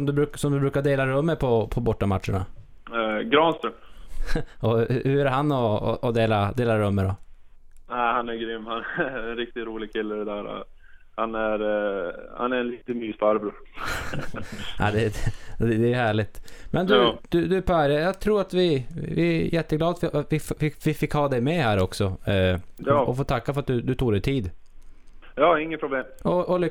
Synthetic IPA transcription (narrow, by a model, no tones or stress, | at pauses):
sɔmd̪ɵbɾʉːksɔmd̪ɵbɾʉːkaɖ̪eːlaɾɵmːəpʰɔpʰɔbɔʈːamat̪ʂəɳa̰ | ɡɾɑːnst̪ɾəm | ɔhʉæɾɦanːɔ̰ːd̪eːlad̪eːlaɾɵmːəd̪ɔ | næɪhanæɾɡɾʏmːhanæɛnɾɪk̚t̪ɪt̪ɾuːlɪɡ̚kʰɪlːədɛd̪æːɾɔ̰ | hanæɾ | ha̰næɾɛnliːt̪əmyːsfaɾbɾə | a̰d̪ɛd̪ɛd̪ɛjɦæːɭɪt̪mʔɛnd̪ʉd̪̥ʉd̪ʉpʰæɾjajɑːt̪ʰɾuːɾat̪vɪvɪ̰jɛt̪ːəɡlɑːd̪afɪfɪfɪfɪkhɑːd̪ɛjmɛhæːɾɔksɔ | jɑːʔɔfoːt̪ʰakːafœɾat̪̚d̪ɵd̪ɵt̪ʰuːɡd̪ɛt̪ʰiːd̪ | jɑːɪŋːəpɾʊbleːmɔʔɔlʏ